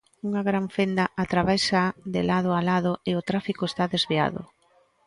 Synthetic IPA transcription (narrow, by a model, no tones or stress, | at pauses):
uŋaɣɾaɱfend̪aʔat̪ɾaβejsad̪elað̞ʊalaðʊeot̪ɾafikʊest̪aðezβia̰ðʊ̰